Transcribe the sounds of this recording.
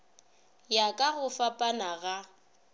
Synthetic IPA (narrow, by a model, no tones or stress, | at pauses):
jakʼaɣʊfapʼanaɣa